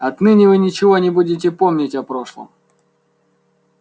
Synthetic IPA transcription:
ɐt̪nɨnʲɪvɨnʲɪt͡ɕɪvo̞nʲɪbudʲɪt̬ʲɪpomnʲɪtʲɐpɾo̞ʂlˠə̰m

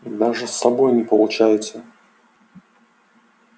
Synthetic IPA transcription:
d̪aʐɨsːɐbojnʲɪpəlˠʊt͡ɕajɪt̪sə

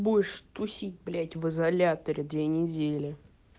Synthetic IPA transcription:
bujɪʂt̪ʊsʲitʲblʲætʲvɨzɐlʲat̪əɾʲɪd̪vʲenʲɪdʲelʲɪ

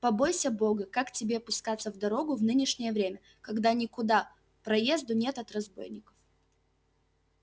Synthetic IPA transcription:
pɐbo̞jsʲəbo̞ɡəkaktʲɪbʲe̞pʊskat̪sːəvd̪ɐɾo̞ɡʊvnɨnʲɪʂnʲɪjəvɾʲemʲə | kɐɡd̪anʲɪkʊd̪a | pɾɐje̞zd̪ʊnʲe̞t̪ɐt̪rɐzbo̞̰jnʲɪkə̥f

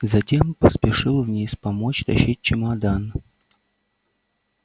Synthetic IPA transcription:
zɐtʲe̞mpəspʲɪʂɨlˠvnʲespɐmot͡ɕt̪ɐɕit̚ʲt͡ɕɪmɐd̪an

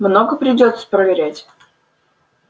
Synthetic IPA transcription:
mnoɡəpɾʲɪdʲo̞t̪sə̥pɾəvʲɪɾʲætʲ

